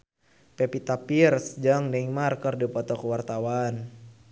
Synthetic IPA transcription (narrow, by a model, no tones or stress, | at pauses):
pɛpit̪apirsd͡ʒaŋdɛiŋmarkərdipɔt̪ɔkəwart̪awan